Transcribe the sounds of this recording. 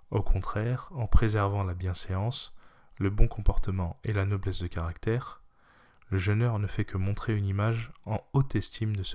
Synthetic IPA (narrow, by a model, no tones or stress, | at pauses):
okʰɔ̃t̪χɛʁɑ̃pχezɛʁvɑ̃labjɛ̃seɑ̃s | ləbɔ̃kɔ̃pɔʁt̪əmɑ̃elanɔblɛsd̪əkaʁakt̪ɛʁ | ləʒənœʁnəfɛkʰəmɔ̃t̪χeynimaʒɑ̃ot̪ɛst̪ʰimd̪əs